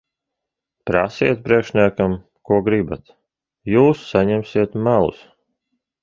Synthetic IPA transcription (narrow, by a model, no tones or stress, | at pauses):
pɾa̰sit̪̚pɾiɛkʃnʲiɛkam | kuɔɡɾibat̪ | juːsːaɲɛmsiɛt̪mælˠṵs